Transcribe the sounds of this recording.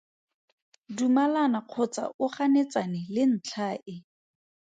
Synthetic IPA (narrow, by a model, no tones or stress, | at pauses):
dumalanaq͡χʰʊt͡sa̰ʔʊχanet͡sanɪlɪn̩t͡ɬʰaʔɪ